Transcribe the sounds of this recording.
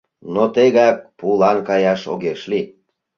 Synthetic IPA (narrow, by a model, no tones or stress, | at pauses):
not̪eɣɑk̚pulɑnkɑjɑʃo̰ɣeʃli